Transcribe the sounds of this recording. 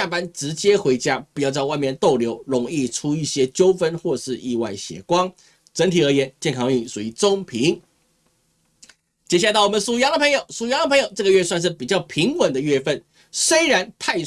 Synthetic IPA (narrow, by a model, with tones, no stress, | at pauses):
a˥˩pa˥nʈ͡ʂɻ̩˧˥t͡ɕjɛ˥xwe˧˥ɪt͡ɕja˥pi˨˩t͡ɕjʊt͡ɕɑ˥˧wa˥˧ɪmjɛ˥˧nt̪o˥˩ʊljo˧˥ʊɻʊ˧˥˩ŋi˥˩ʈ͡ʂʰu˥i˥˩ɕjɛ˥t͡ɕjo˥ʊfə˥nxwɔ˥˧ʂɻ̩˥˧i˥˧wa˥˩ɪɕjɛ̰˨˩kwɑ˥ŋ | ʈ͡ʂə˧˥ŋt̪ʰi˨˩ə˧˥jɛ˧˥nt͡ɕjɛ˥˩nkʰɑ˥ŋy˥˧˩su˨i˧˩t͡so˥ŋpʰi˧˥ŋ | t͡ɕjɛ˧˩ɕa˥˩˧ɔ˨˩mə˦nʂu˨˩jɑ˥ŋd̪ə˧pʰɤ˧˥ŋjo˨˩ʊsu˨˩jɑ˧˥ŋd̪ə˧pʰɤ˧˥ŋjo˨˩ʊʈ͡ʂɤ˥˩ɡə˩ɥɛ˥˧swa˥˧nʂ̬ɻ̩˥˩pi˨˩t͡ɕjɑ˥˩ʊpʰi˧˥ŋwə˨˩nd̪ə˦ɥɛ˥˧fə˥˩n | swe˥ɪɻa˧˥nt̪ʰa˥˧ɪ